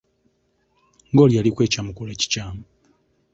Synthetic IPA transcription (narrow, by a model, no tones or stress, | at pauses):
ŋɡoːljalikwe̞ːcamukuleci̥caːmu